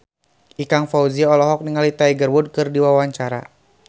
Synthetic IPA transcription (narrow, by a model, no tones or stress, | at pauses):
ʔikaŋfauziɔlɔɦɔk̚niŋalit̪aiɡərwud̚kɨrdiwawaɲt͡ʃaɾa̰